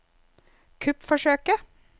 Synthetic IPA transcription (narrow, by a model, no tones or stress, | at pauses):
kʰʉpfɔʃøːkə